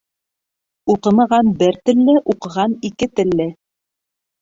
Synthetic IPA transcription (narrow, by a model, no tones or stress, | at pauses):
uqɤ̆mɤ̆ʁɑnbɘɾt̪ɘ̆lːɘʔuqɤ̆ʁɑnikɘt̪ɘ̆lːɘ